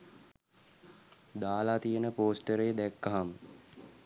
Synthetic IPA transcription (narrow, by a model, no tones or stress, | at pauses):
d̪aːlat̪ijənəpoːsʈəɾejəd̪ɛkːaɦam